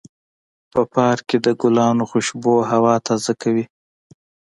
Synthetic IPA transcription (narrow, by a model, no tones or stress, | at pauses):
pəpɑɾked̪əɡʊlɑnoxʊʃboɦawɑt̪ʰazakawi